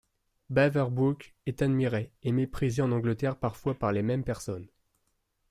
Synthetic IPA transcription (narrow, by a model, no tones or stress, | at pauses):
bavɛʁbukɛt̪ad̪miʁeemepχizeɑ̃nɑ̃ɡlət̪ɛʁpaʁfwapaʁlemɛmpɛʁsɔn